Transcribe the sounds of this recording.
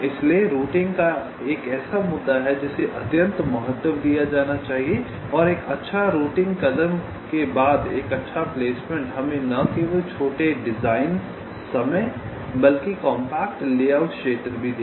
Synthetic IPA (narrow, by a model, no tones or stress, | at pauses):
ɪslieɾuːʈɪ̃ŋɡka | eːkɛːsamʊd̪ːaɦɛd͡ʒɪseʔɐt̪jə̃nt̪mɐɦət̪ːəmd̪ijad͡ʒaːnat͡ʃaːɦie | ɔːɾeːkɐtːʃʰaɾuːʈɪ̃ŋɡkɐd̪əm | kebaːd̪ḛːkɐtːʃʰapleːsmẽɳʈɦɐmẽnɐk̪iʋot͡ʃʰoːʈeɖɪzaːɪn | sɐmə | bɐlkikɔ̃ːmpɛːk̚ʈleːaːʊʈʃeːʈɾbʱid̪eː